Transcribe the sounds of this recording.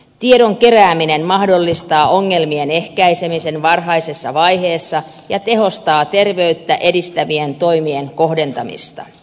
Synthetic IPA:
t̪ieɾoŋke̞ræːminenmɑhdo̞lːist̪ɑːʔoŋːe̞lmienehkæisemisenʋɑrɦɑisesːɑʋɑjɦe̞ːsːɑ | jɑt̪e̞ho̞st̪ɑːt̪e̞rʋeyt̪ːæʔe̞dist̪æʋient̪o̞jmieŋkohde̞nt̪ɑmḭst̪ɑ̰

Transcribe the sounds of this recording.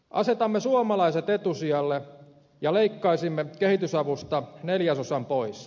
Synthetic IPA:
ʔɑ̰set̪ɑmːesuomɑlɑiset̪et̪usiɑlːe | jɑleikːɑisimːekehit̪ysɑʋust̪ɑneljæsosɑmpois

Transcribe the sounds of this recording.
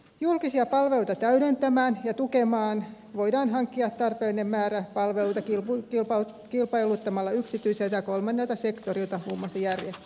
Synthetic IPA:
julkisiɑpɑlʋelut̪ɑt̪æydent̪æmæːnjɑt̪ukemɑːn | ʋo̞idɑːnɦɑŋkːiɑt̪t̪ɑrpeːlinemmæːɾæpɑlʋelut̪ɑkkp | kilpɑjlut̪ːɑmɑlːɑyksit̪yiselt̪æjɑko̞lmɑnːelt̪ɑsekt̪oɾilt̪ɑhuːmːɑsɑjærjest̪æ

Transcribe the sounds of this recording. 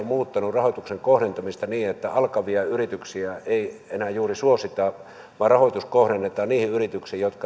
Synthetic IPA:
ommuːt̪ːɑnurrɑhoˑt̪ukseŋkohɾent̪ɑmist̪ɑniːet̪ːæɑlkɑʋiɑyrit̪yksiæeˑienæːjuːrisuosit̪ɑ | ʋɑːrrɑhoˑt̪uskohɾenːet̪ɑːnniːhiyrit̪yksiːjjot̪kɑ

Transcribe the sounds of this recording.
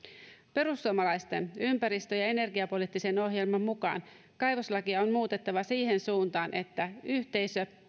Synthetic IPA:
pe̞ɾusːuomɑlɑjst̪e̞nympæɾist̪øjɑe̞ne̞rɡiɑpo̞lit̪ːise̞no̞ɦje̞lmɑmːukɑ̰ːn | kɑjʋoslɑkiɑo̞nmuːt̪e̞t̪ːɑʋɑsiːɦe̞nsuːnt̪ɑːnʔe̞t̪ːæyçt̪e̞jsø

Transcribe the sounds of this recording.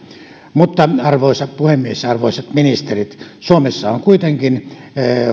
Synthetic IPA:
mut̪ːɑɑrʋoˑisɑpuhemːiesɑrʋoˑisɑt̪minist̪erit̪suomesːɑoŋkuit̪eŋkin

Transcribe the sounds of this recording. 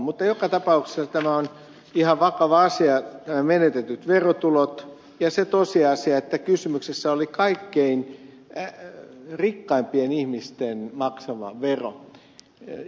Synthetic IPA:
mut̪ːɑjokɑt̪ɑpɑukse̥sːɑt̪æmæon | ihɑʋʋɑkɑʋɑɑsiɑt̪æmæmenet̪et̪yt̪ʋerot̪ulot̪ | jɑset̪osiɑsiɑet̪ːækysymyksesːæolikɑikːein | rikːɑimpienihmist̪enmɑksɑʋɑ̰ʋʋero̰

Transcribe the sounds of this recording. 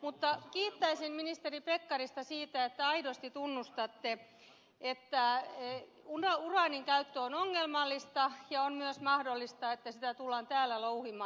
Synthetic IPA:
mut̪ːɑkiːt̪ːæisinminist̪eripekːɑrist̪ɑsiːt̪æet̪ːæɑidost̪it̪unːust̪ɑt̪ːe | et̪ːæ | unɑurɑːniŋkæyt̪ːøonoŋːelmɑlːist̪ɑjɑonmyøsmɑhdolːist̪ɑet̪ːæsit̪æt̪ulːɑːnt̪æːlːælouhimɑː

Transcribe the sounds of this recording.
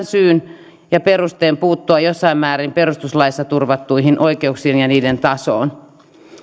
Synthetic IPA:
nsyːn | jɑperust̪eːmpuːt̪ːuɑjosːɑimmæːɾimperust̪uslɑisːɑt̪urʋɑt̪ːuiɦinʔoikeuksienjɑniːdent̪ɑso̰ːn

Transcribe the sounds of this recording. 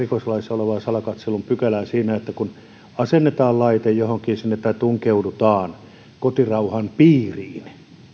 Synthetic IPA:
ikoslɑisoleʋɑːsɑlɑkɑt̪selːumpykælæːsiːnæet̪ːækun | ɑsenːet̪ɑːllɑit̪ejjohoŋkiːnsinːet̪ːæt̪uŋkeudut̪ɑːn | kot̪irɑuhɑnpiːriːn

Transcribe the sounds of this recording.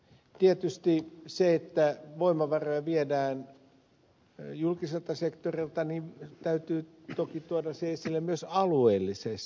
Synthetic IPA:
t̪iet̪yst̪iseet̪ːæʋoimɑʋɑrojɑʋiedæːn | julkiselt̪ɑsekt̪orilt̪ɑnit̪æyt̪yː | t̪okit̪uodɑseisilːemyøsɑlueːlːises

